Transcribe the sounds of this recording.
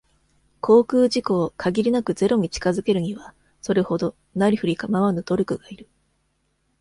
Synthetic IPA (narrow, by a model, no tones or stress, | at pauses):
kʰo̞ːkɯːʑiko̞ːkʰaɡʲiɾʲinakɯ̟ze̞ɾo̞ɲ̟it͡ɕi̥kazɨke̞ɾɯ̟ɲ̟iβa | so̞ɾe̞ho̞d̪o̞ | naɾʲiɸɯ̟ɾʲikamaβanod̪̥o̞ɾʲokɯ̟ɡaiɾɯ̟